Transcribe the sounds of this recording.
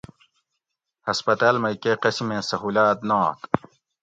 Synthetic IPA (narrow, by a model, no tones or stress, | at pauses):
hɐspɐt̪aːlmɐkeqɐsimẽsɐɦuːlaːt̪nɑ̃ːt̪